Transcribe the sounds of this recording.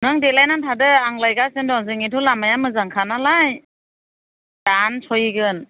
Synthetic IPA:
nɯŋdelajnantʰadɯaŋlajɡasɯndɔŋzɯŋitʰulamajamɯzaŋkʰanalaj | dansʰɔjiɡɯn

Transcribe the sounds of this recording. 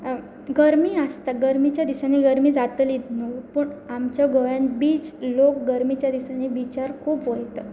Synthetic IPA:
ɡəɾmiːast̪aɡəɾmit͡ɕjad̪isaniɡəɾmiːd͡zat̪lit̪nopəɳamt͡ɕjaɡojanbiːd͡zlok̚ɡəɾmit͡ɕjad̪isanibit͡ɕaɾkʰuːpɦojt̪ə

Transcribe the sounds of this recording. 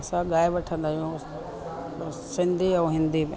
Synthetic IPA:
sãɡaːɪbɐʈʰə̃nd̪ajũ | sɪ̃nd̪ʱiɛ̃ɦɪ̃nd̪im

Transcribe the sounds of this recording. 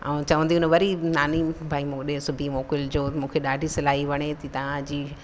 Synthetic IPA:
ɛ̃t͡ɕɐʋə̃nd̪iʊnəʋɐɾinaːnibʱaːimũɗẽsʊbʱimoːkɪld͡ʑoːmũːkʰeɗaːɖʱisɪlaːɦiʋɐɽ̃et̪it̪ɐʋ̤ãd͡ʑiː

